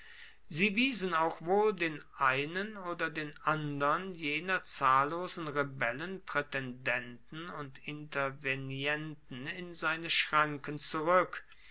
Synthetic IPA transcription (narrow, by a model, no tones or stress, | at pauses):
ziːviːzənaʊxv̥oːldeːnʔaɪnənoːdɐdeːnʔandɐnjeːnɐt͡saːlːoːzn̩ʁebɛlənpʁ̥ɛtɛndɛntn̩ʊntɪntɐvenjɛntn̩ɪnzaɪnəʃʁ̥aŋkənt͡suʁʏk